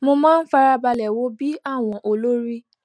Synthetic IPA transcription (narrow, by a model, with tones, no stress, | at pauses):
mo˧mãː˦n̩˦fa˧ɾa˧ba˧lɛ˨wo˨˦bi˦a˦˨w̃ɔ̃˧ʔo˧lo˦ɾi˦